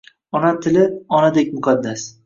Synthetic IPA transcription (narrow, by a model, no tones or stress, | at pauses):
ɒnat̪ʰɪlɪɒnad̪ek̚ʲmʊqʰad̪ːas